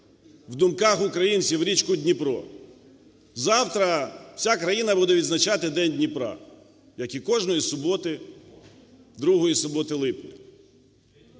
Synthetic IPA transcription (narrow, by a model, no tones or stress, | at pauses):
wd̪ʊmkɑxʊkɾɐjinʲt͡sʲiwɾʲit͡ʃkʊdʲnʲipɾɔ̰ | zɑwt̪ɾɐw̥sʲakɾɐjinɐbud̪ɛʋʲid̪znɐt͡ʃɑt̪ɪd̪ɛnʲdʲnʲipɾɑ̰ | jɐkikɔʒnɔjisʊbɔt̪ɪ | d̪ɾuɦɔjisʊbɔt̪ɪlˠɪpnʲɪ